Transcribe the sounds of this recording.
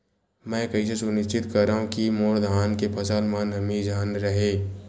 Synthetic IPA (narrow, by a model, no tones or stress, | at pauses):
mɛ̃ːkɐis̬esʊnɪʃt͡ʃɪt̪kɐɾaːɦũkimoːɾd̪ʱaːnkepʰɐsəlmanɦɐmĩd͡ʒʱaːnɾəɦeː